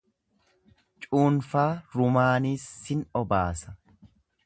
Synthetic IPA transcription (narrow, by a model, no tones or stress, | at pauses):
t͡ʃʼuːnfaːɾʊmaːniːsːɪnɔba̰ːsɐ̥